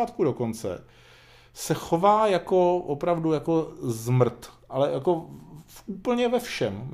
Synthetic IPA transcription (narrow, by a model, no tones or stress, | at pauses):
aːt̪kudo̞ko̞nt͡sɛ̰ | sɛxo̞vaːjako̞opɾavdujako̞zmr̩t̪ʔalɛjako̞fʔuːpl̩ɲɛvɛfʃɛm